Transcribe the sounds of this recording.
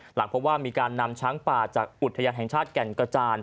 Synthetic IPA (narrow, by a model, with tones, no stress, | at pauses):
la˩˦ŋpʰo˦˥p̚waː˥˩miː˧kaː˧nːa˧mt͡ɕʰaː˦˥ŋpaː˨˩t͡ɕaː˨˩k̚ʔu˨˩t̪ʰːa˧jaː˧nɦɛ˨˩ŋt͡ɕʰaː˥˩t̪̚kɛ˨˩ŋka˧t͡ɕaː˧n